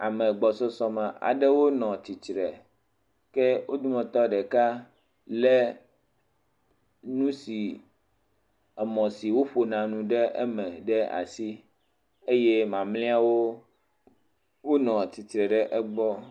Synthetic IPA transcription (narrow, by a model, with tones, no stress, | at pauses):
a˨mɛ̃˨ɡ͡bɔ˨sɔ˦sɔ˦mã˨ʔa̰˨ɖɛ˦wo˦nɔ̃˨t̪i˨t͡ʃɾɛ˨ | kɛ˦wʔo˦d̪u˦mɔ̃˨t̪ɔ˦ɖɛ˨ka˦ | lɛ˦ | nũ˦si˨ | ɛ˨mɔ̃˨si˨wo˦ɸo˨nã˨nũ˦ɖɛ˦ʔɛ̰˦mɛ̃˨ɖɛ˦a̰˨si˦ | e˦je˦mã˨mlĩ˦a˦wo˦ | wo˦nɔ̃˨t̪i˨t̪ɾɛ˨ɖɛ˦ʔɛ˦ɡ͡bɔ˦